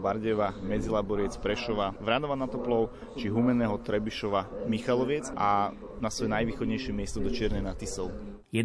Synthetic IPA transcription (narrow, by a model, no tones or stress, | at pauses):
baɾɟɛʋamɛd͡zilabɔɾɪɛt͡spɾɛʃɔʋaʋɾanɔʋanat̪ɔplɔʊ | t͡ʃiɦumɛnɛɦɔt̪ɾɛbiʃɔʋamixalɔʋɪɛd͡za | nasʋɔjɛnajʋiːxɔd̪ɲɛjʃɪɛmɪɛst̪ɔd̪ɔt͡ʃɪɛɾnɛnat̪isɛl | jɛ